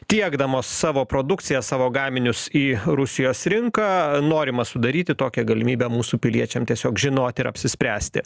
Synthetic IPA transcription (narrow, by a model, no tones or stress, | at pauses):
t̪ʲiɛɡd̪ɐmoːsːɑːʋoːpɾoːd̪ʊkt̪sʲɪjɛsɑːʋoːɡɑːmʲɪnʲʊsiːɾʊsʲɪjoːsɾʲɪŋkɑːnoːɾʲɪmɐsʊd̪ɐɾʲiːt̪ʲɪt̪oːkʲɛɡɐlʲɪmʲiːbʲɛmuːsuːpʲɪlʲiɛt͡ʃʲɛmt̪ʲiɛsʲoːkʒʲɪnoːt̪ʲɪɾɐ̰pʲsʲɪsʲpʲɾʲæːsʲt̪ʲɪ̰